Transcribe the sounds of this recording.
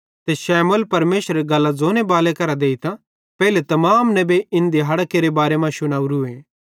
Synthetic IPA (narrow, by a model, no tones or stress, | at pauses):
t̪eʃɛːmolpɐɾmeːʃəɾeɡɐlːazoːnebaːlekɐɾad̪eːit̪ã | pɛːilet̪ɐmaːmnɛbeɪ̃nd̪iɦɐɽkeːɾebaːɾemãʃʊɽ̃aːuɾueː